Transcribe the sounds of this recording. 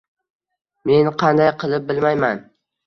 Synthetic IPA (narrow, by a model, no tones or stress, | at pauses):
me̞nqʰɑnd̪ajqʰɨlˠɪp̚bɪlmajman